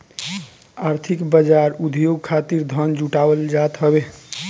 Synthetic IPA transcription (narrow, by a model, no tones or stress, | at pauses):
aɾt̪ʰikbəd͡ʒaɾud̪ʱjoɡ̚kʰat̪iɾd̪ʱənd͡ʒuʈabəld͡ʒat̪ɦəbe